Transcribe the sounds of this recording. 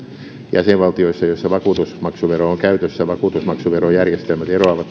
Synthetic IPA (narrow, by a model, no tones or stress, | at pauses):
jæ̰seʋʋɑlt̪ioisːɑjosːɑʋɑkuːt̪usmɑksuʋerooŋkæyt̪øsːæʋɑkuːt̪usmɑksuʋerojærjest̪elmæt̪eroɑʋɑt̪